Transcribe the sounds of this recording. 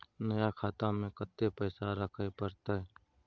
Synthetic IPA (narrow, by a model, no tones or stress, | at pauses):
nəjakʰaːt̪amẽkət̪ːepəːsaɾəkʰaepəɾt̪aɦɛː